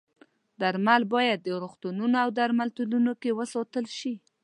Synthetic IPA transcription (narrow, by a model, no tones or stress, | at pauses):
d̪aɾmalbɑjad̪̚ːəɾoxt̪ununoawd̪aɾmalt̪ulunokewəsɑt̪əlʃi